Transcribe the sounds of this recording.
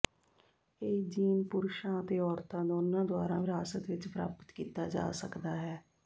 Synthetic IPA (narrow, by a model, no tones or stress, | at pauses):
eːd͡ʒiːnpʊɾʃãːət̪eːɔːɾt̪ãːd̪oːnãːd̪ʊaːɾã̰ːʋɪɾaːsət̪ʋɪt͡ʃpɾa̰ːpə̥t̪kiːt̪aːd͡ʒa̰ːsəkd̪aːɦɛː